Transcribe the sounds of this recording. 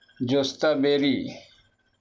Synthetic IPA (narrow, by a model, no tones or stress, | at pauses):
d͡ʑost̪abeɾi